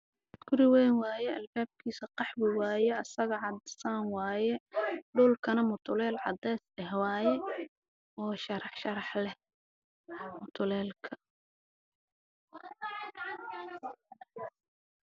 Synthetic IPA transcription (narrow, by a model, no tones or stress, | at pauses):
ɡ̥ʊɾɪwɛːnwɑːjɛɐlbaːb̚kʰiːsɐqɑħwɪwɑːjɛɐsɐɣɐʕɑd̪saːnwɑːjɛɖuːlkʰɐnɐmʊt̪ʰʊlɛːlʕɑ̰d̪ɛːsɛhwɑːjɛ | ʔɔːʃɐɾɑħʃɐɾɑħlɛ | mʊt̪ʰʊlɛːlkʰɐ